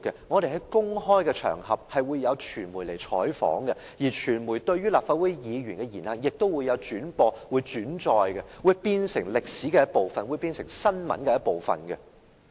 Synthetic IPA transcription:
kːɛ˧ŋɔ˨˧ɾe˨jhɦɐ˨˦jkʊ˥ŋɦɔː˥jkɛ˧t͡ʃʰœ̰ː˨˩ŋhɐ˨p̚hɐ˨jwu˨˧jːɐ˨˧wt͡ʃʰyː˨˩nmu˨˩le˨˩jt͡ʃʰɔ̰ː˨˥jfɔ̰ː˨˥ŋɡɛ˧ | jiː˨˩t͡ʃʰyː˨˩nmuː˨˩jt̪ɵ˧ɥɥyː˥laː˨p̚faː˧t̚wu˥jjiː˨˧ɥyː˨˩nkɛ˧jiː˨˩nhɐ˨˩ŋjɪ˨k̚t̪o˥wu˨˧jːɐ˨˧wt͡ʃyː˨˥npɔː˧wuː˨˧jt͡ʃyː˨˥nt͡ʃɔː˨jkɛ˧wu˨˧jpiː˧nsɪ̰˨˩ŋlɪ˨k̚siː˨˥kɛ˧jɐ˥t̚po˨wfɐ˨nwu˨˧jpiː˧nsɪ˨˩ŋsɐ˥nmɐ̰˨˥nkɛ˧jɐ˥t̚po˨wfɐ̰˨nɡɛ̰˧

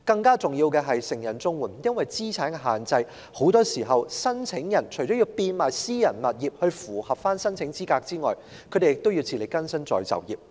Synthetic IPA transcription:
kɐ˧ŋkaː˥t͡sʊ˨˩ŋjiː˧wkɛː˧ɦɐ˨jsɪ˨˩ŋjɐ˨˩nt͡sʊ˥ŋwuː˨˩njɐ˥nwɐ˨jt͡siː˥t͡sʰaː˨˥nkɛ˧ɦaː˨˩nt͡sɐ˧j | ho˨˥wt̪ɔː˥siː˨˩ɦɐ˨wsɐ˥nt͡sʰɪ˨˥ŋjɐ˨˩nt͡ʃʰɵ˨˩jt͡sɔ˨˥ji˧wpiː˧nmaː˨˩jsiː˥jɐ˨˩nmɐ˨t̚jiː˨˩p̚hɵ˧ɥfuː˨˩hɐ˨p̚faː˥nsɐ˥nt͡sʰɪ˨˥ŋt͡siː˥kaː˧k̚t͡siː˥ŋɔː˨˩j | kʰɵ˨˧jt̪e˨jɪ˨k̚t̪o˥wji˧wt͡sʰi˨˩le˨jkɐ˥nsɐ˥nt͡sɔ̰ː˨˩jt͡sɐ̰˨wjḭː˨˩p̚

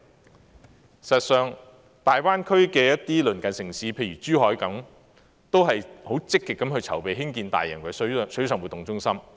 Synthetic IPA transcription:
sɐ˨t̚sœː˨˧ŋ | t̪aː˨jwaː˥nkʰɵ˥ɥkɛː˧jɐ˥tt̪iː˥lɵ˨˩nkɐ˨˩nsɪ˨˩ŋsiː˨˥pʰe˧jɥyː˨˩t͡ʃyː˥hɔː˨˥jkɐ˨˥m | t̪o˥wɦɐ˨jho˨˥wt͡sɪ˥kːɪ˨kːɐ˨˥mhɵ˧t͡sʰɐ˨˩wpe˨jɦɪ˥ŋkiː˧nt̪a̰ː˨jːɐ̰˨˩nkɐ˨˩ssɵ˨˥sœː˨ŋwu˨t̪ːʊ˨˩ŋt͡sʊ˥ŋsɐ˥m

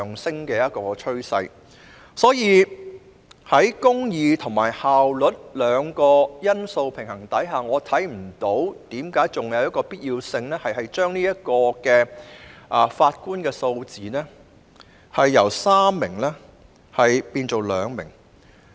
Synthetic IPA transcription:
ŋsɪ˥ŋkɛː˧jɐ˥t̚kɔː˧kt͡ʃʰɵ˥ɥsɐ˧j | sɔː˨˥jiː˨˧ | hɐ˨˥jkʊ˥ŋjiː˨˧t̪ʰʊ˨˩ŋma̰ː˨˩jhaː˨wlɵ˨˥t̚lœː˨˧ŋkɔː˧jɐ˥nso˧wpʰɪ˨˩ŋhɐ˨˩ŋt̪ɐ˨˥jɦaː˨ŋɔː˨˧t̪ʰɐ˨˥jm̩˨˩t̪o˨˥wt̪iː˨˥mkaː˨˥jt͡sʊ˨˩ŋjɐ˨˧wjɐ˥kɔː˧piː˥t̚jiː˧wsɪ˧ŋnɛː˥hɐ˨˩jɦɐ˨jt͡ʃœː˥ŋniː˥jɐ˥t̚kɔː˧kɛː˧ʔɐː˨˩faː˧t̚kuː˥nkɛː˧so˧wt͡siː˨nɛː˥ | hɐ˨jːɐ˨˩wsaː˥mːɪ˨˩ŋlɛː˥ | hɐ˨jpiː˧nt͡so˨wlœː˨˧ŋmɪ̰˨˩ŋ

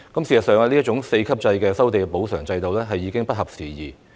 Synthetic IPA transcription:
kɐ˨˥msiː˨˩sɐ˨t̚sœː˨ŋaː˧liː˥t͡ʃʊ˨˥ŋse˧jkʰɐ˥p̚t͡sɐ˧jkɛː˧sɐ˥wt̪e˨jpo˨˥wsœː˨˩ŋt͡sɐ˧jt̪o˨˧wlɛː˥ɦɐ˨jːiː˨˧kɪ˥ŋpɐ˥t̚hɐ˨p̚siː˨jiː˨

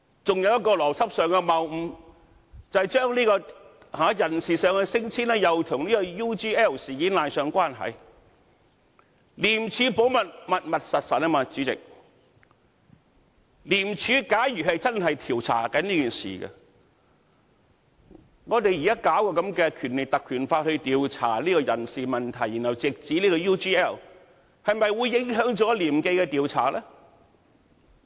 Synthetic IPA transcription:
t͡sʊ˨ŋjɐ˨˧wjɐ˥t̚kːɔː˧lɔː˨˩t͡sʰɐ˥p̚sœː˨ŋkɛ˧mɐ˨wm̩˨˧ | t͡sɐ˨t͡ʃœː˥ŋliː˥kɔː˧ | haː˨˥jɐ˨˩nsiː˨sœː˨ŋɛ˧sɪ˥ŋt͡sʰiː˥nɛː˥jɐ˨wt̪ʰʊ˨˩ŋliː˥kɔ˧juː˥t͡siː˥ɛː˥˩wsiː˨kiː˨˥nlaː˨nsœː˨ŋkʷaː˥nɦɐ̰˨j | liː˨˩mt͡sʰyː˨˧po˨˥wmɐ˨t̚mɐ˨t̚mɐ˨t̚sɐ˨t̚sɐ˨nɛː˥˩maː˨˧t͡ʃyː˨˥t͡sɪ̰˨k̚ | liː˨˩mt͡ʃʰyː˨˧kaː˨˥jjyː˨˩ɦɐ˨jt͡sɐ˥nɦɐ˨jt̪ʰiː˨˩wt͡sʰa̰ː˨˩kɐ˨˥nliː˥kiː˨nsḭː˨˩ɡɐ̰˧ | ŋɔː˨˧t̪e˨jiː˨kɐ˥kaː˨˥wkɔː˧kɐ˨˥mkɛː˧kʰyː˨˩nle˨k̚t̪ɐ˨kʰːyː˨˩nfaː˧t̚hɵ˧t̪iː˨˧wt͡sʰa̰ː˨˩liː˥kɔː˧jɐ˨˩nsiː˨˩mɐ˨nt̪ʰɐ˨˩jːi˨˩nhɐ˨˩wt͡sɪ˨k̚t͡siː˨˥liː˥kɔ˧juː˥t͡ʃiː˥ɛ˥˩w | hɐ˨jmɐ˨jwuː˨˧jːɪ˨˥ŋɦœː˨˥ŋt͡sɔː˨˥liː˨˩mke˧jkɛ˧t̪iː˨wt͡sʰaː˨˩lɛː˥

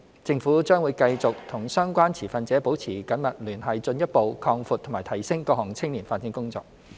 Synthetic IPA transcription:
t͡sɪ˧ŋfuː˨˥t͡ʃœː˥ŋwuː˨˧jkɐ˧jt͡sʊ˨k̚t̪ʰʊ˨˩ŋsœː˥ŋkʷaː˥nt͡sʰiː˨˩fɐ˨nt͡sɛː˨˥po˨˥wt͡sʰiː˨˩kɐ˨˥nmɐ˨t̚lyː˨˩nɦɐ˨jt͡sɵ˧njɐ˥t̚po˨wkʰɔː˧ŋfuː˨t̪ʰːmaː˨˩t̪ʰɐ˨˩jsɪ˥ŋkɔː˧k̚hɔː˨˩ŋt͡sʰɪ˥ŋliː˨˩nfaː˧˥t̚t͡si˨˥ŋkʊ˥ŋt͡sɔ̰ː˧k̚

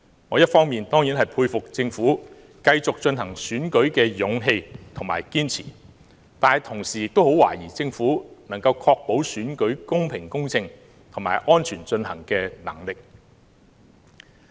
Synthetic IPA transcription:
ŋɔː˨˧˦jɐ˥t̚fɔː˥ŋmiː˨nt̪ɔː˥ŋjiː˨˥nɦɐ˨jpʰuː˧jfʊ˨k̚t͡sɪ˧ŋfuː˨˥ | kɐ˧jt͡sʊ˨k̚t͡ʃɵ˧nɦɐ˨˩ŋsyː˨˥nkɵ˨˥ɥkɛː˧jʊ˨˥ŋɦe˧jt̪ʰʊ˨˩ma̰ː˨˩jkiː˥nt͡sʰḭː˨˩ | t̪aː˨nhjt̪ʰʊ˨˩ŋsiː˨˩jɪ˨k̚t̪o˥who˨˥wa̰ː˨˩jiː˨˩t͡sɪ˧ŋfuː˨˥nɐ˨˩ŋkɐ˧wkʰɔː˧k̚po˨˥wsyː˨˥nkɵ˨˥ɥkʊ˥ŋpʰɪ˨˩ŋkʊ˥ŋt͡sʰɪ˧ŋ | t̪ʰʊ˨˩ŋma̰ː˨˩jʔɔː˥nt͡ʃʰyː˨˩nt͡ʃɵ˧nhɐ˨˩ŋkɛː˧nɐ̰˨˩ŋlɪ˨k̚

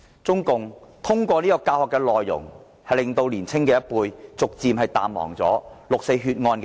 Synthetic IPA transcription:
t͡sʊ˥ŋkʊ˨ŋt̪ʰʊ˥ŋkʷɔː˧niː˥kɔː˧kaː˧whɔ˨kːɛː˧lɔː˨jːʊ̰˨˩ŋ | hɐ˨lɪ˨ŋt̪o˧wliː˨˩nt͡sʰɪ˥ŋkɛː˧jɐ˥t̚puː˧jt͡sʊ˨k̚t͡siː˨˧mhɐ˨jt̪a̰ː˨nmmɔ̰ː˨˩ŋt͡sɔ̰ː˨˥lʊ˨k̚se˧jɦyː˧t̚ŋɔː˧nkː

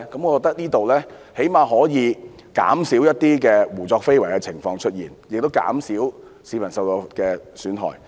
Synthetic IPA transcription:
kɐ˨˥mɔ˨˧kɔː˧k̚t̪ɐ˥k̚niː˥t̪o˨wlɛː˥ | he˨˥jmaː˨˧ɦɔː˨˥jiː˨˧ | ka̰ː˨˥msiː˨˥wjɐ˥t̚t̪iː˥kɛː˧wuː˨˩t͡sɔː˧k̚fe˥jwɐ˨˩jkɛː˧t͡sʰɪ˨˩ŋfɔː˧ŋt͡ʃʰt̚jiː˨˩njɪ˨k̚t̪o˥wka̰ː˨˥msiː˨˥w | si˨˥mɐ˨˩nsɐ˨˧wt̪ɔ˧kɛː˧syː˨˥nɦɔ̰ː˨˩j

